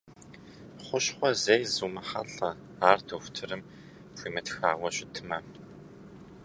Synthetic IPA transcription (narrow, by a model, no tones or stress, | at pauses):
χʷʊɕχʷɔzejzuːmɐχɐ̰ɬɐ | aːrtʰoxʷʊ̥tʰɨrɨm | pʷiːmɐtxaːwɐɕɪtʰɨmɐ